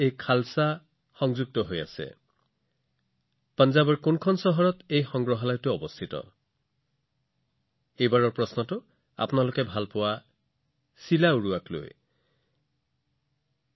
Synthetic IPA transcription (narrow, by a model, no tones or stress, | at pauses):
ejkʰalsa | xɔŋzuɡ̚tɔɦoja̰sɛ̰ | panzabɔɹkʊnkʰɔnsɔɦɔɹɔtejxɔŋɡɹɔɦalajtʊɔbɔstʰitɔ̰ | ejbaɹɔɹpɹɔsnɔtʊ | a̰pʊnalʊkɛbʱalpʊwa | silauɹuaklo̰j